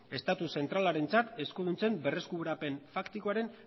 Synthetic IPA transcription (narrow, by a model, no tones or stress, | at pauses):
e̞st̪at̪use̞nt̪ɾalaɾe̞nt͡sat̪e̞skoðunt͡se̞mbe̞re̞skuβɾape̞nfakt̪ikoaɾe̞n